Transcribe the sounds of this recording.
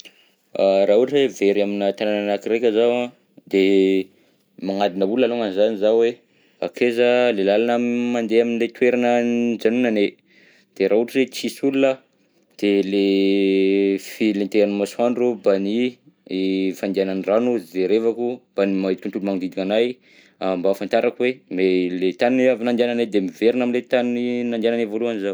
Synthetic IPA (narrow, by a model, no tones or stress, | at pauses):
aɾaɦuʈ͡ʂeveɾaminat̪anananakiɾekʲəzawã | d̪e | maŋad̪inəbulaluŋanzanizawe | a̰kʰezalelalanamand̪eaminilet̪weɾanəd͡ʒanunane | d̪̥eɾʔauʈ͡ʂiet͡sisululə | d̪̥ele | filint̪eɾanmaswaɳɖ͡ʐubani | fand̪ananranuzd̪eɾevakub̥animait̪unt̪ulumaŋud̪id̪ikanaj | ambafant̪aɾakuwemelet̪anuneavinand̪iananed̪emiveɾinaminlet̪anuninand̪ananevoluanizaw